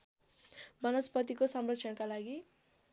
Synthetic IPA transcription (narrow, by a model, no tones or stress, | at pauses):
mʌnʌspʌt̪ikosʌmrʌt͡ʃʰʌnkalaɡi